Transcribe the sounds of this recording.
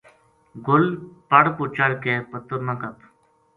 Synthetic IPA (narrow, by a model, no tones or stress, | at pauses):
ɡʊlpəɽput͡ʃəɾkeːpət̪əɾnãːkət̪